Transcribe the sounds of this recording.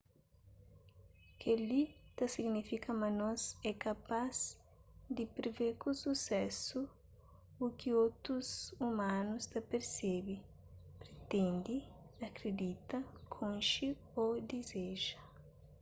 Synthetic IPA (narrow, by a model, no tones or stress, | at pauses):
kalit̪ɐsiɡnifikɐmɐnɔ̃zɛkapaz | d̪ɪpɾeveɾkususɛsu | ukiot̪ɾuzumãnust̪ɐpeɾsɛbi | pɾet̪ẽnd̪iɐkɾed̪it̪ɐkʰõnʃi | od̪izeʒɐ